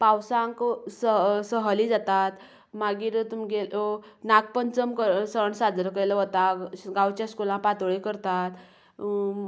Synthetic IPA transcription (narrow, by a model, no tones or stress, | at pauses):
pãwsãŋksəsəɦəlid͡zat̪at̪ | maɡiːɾt̪umɡelo | nak̚pənt͡səmkəɾsəɳsad͡zɾəkəjləʋət̪aɡawt͡ɕjaskulãpat̪ʋɭekəɾt̪at̪